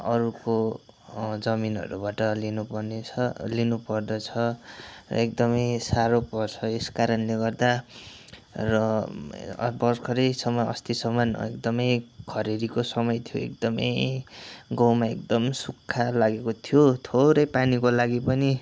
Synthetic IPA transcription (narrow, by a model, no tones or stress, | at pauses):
ʌɾuko | d͡zʌminʌ̰ɾṵbaʈʌlinupʌrneʌlinupʌrd̪ʌt͡sʰʌrʌ̰ekd̪ʌmʌjsaɾopʌrt͡sʰʌeskaɾʌnleɡʌrd̪a | rʌ̰ | bʌrkʰʌɾejsʌmʌjʌ̰st̪isʌman̰ḛkd̪ʌmʌjkʰʌɾeɾikosʌmʌjt̪ʰijoḛkd̪ʌmʌ̰j | ɡʌwmaḛk̚d̪ʌmsukʰːalaɡekot̪ʰijot̪ʰoɾʌjpanikolaɡipʌni